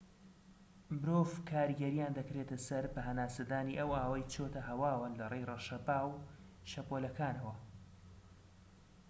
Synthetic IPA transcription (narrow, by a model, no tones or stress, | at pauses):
mɪɾoːvkʰaːɾiɡɐɾijaːnd̪ɐkɾeːt̪ɐsɐɾbɐɦɐnaːsɐd̪aːniːʔɐwʔaːwɐjt͡ʃʰoːt̪ʰɐɦɐwaːwɨnlɐrejreʃɐbaːwʃɐpolɐkʰaːnɐwɐ